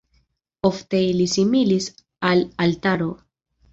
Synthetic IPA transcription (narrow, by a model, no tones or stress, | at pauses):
o̞fte̞ilisimilis | alalt̪aɾo̞